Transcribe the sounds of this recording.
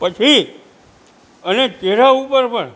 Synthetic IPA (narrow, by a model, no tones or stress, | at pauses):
pət͡ʃʰi | ənet̪eɾaupəɾpəɳ